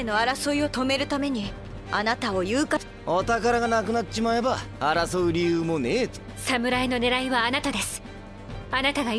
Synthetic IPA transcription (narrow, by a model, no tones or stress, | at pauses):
eno̞aɾasoio̞t̪o̞me̞ɾɯ̟t̪ame̞ɲ̟i | a̰nat̪ao̞jɯːka | ot̪akaɾaɡanakɯ̟nat̪ːe̥ɕimae̞baːɾasoɯɾʲijɯːmone | samɯ̟ɾaino̞ne̞ɾaiβaːnat̪ad̪e̞sɨ̥ | anat̪aɡa